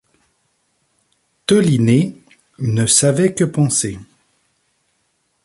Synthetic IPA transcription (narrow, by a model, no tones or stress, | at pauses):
t̪ɔline | nəsavɛkəpɑ̃se